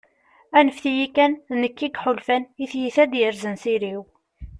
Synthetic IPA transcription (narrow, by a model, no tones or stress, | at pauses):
ænəfθijikːænnəkːiɡħʊlfæniθjiθæd̪jəɾzənsiɾiw